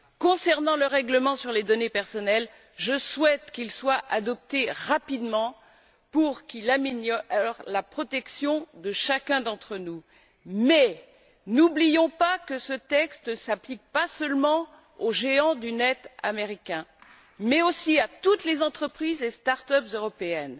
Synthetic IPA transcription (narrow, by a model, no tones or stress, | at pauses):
kɔ̃sɛʁnɑ̃ləʁɛɡləmɑ̃syʁled̪ɔnepɛʁsɔnɛl | ʒəswɛt̪kʲilswaʔad̪ɔp̚t̪eʁapid̪mɑ̃ | puʁkilamenjɔʁlapχɔt̪ɛksjɔ̃d̪əʃakʲɛ̃d̪ɑ̃t̪χənu | mɛ | nublijɔ̃pakəsət̪ɛkst̪nəsaplik̚pasœlmɑ̃ | oʒeɑ̃d̪ynɛt̪a̰meʁikʲɛ̃ | mɛosiat̪ut̪lezɑ̃t̪χəpχizest̪aʁt̪œpzøʁɔpeɛn